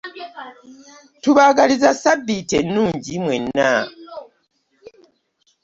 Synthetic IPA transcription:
tuβaɡalizasabːitenːuːɲɟimwe̞nːa

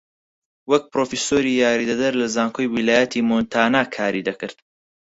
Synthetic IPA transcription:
wɐk̚pɾoːfisoːɾijaːɾid̪ɐd̪ɐɾlɐzaːŋkʰoːjwilaːjɐt̪ʰiːmont̪ʰaːnaːkʰaːɾid̪ɐkɨɾd̪̥

